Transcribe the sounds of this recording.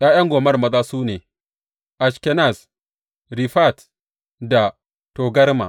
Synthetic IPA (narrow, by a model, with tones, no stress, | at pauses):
jaː˦jɐ˦ŋɡʷoː˨mɐ˦rmɐ˦zaː˦suː˦neː˨ | ʔa˨ʃkɛ˦na˦˨s | ɾi˨ɸa˦˨t | da˨ | to˨ɡɐ˦ɾma̰˨